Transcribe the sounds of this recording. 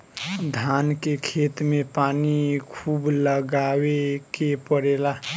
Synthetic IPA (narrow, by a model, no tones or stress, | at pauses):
d̪ʱankekʰet̪mepanikʰuːbləɡawekepəɽela